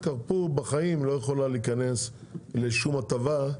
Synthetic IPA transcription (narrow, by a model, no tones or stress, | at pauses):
kaʁpuʁbaχaimlo̞jeχo̞laliːkane̞sle̞ʃumatava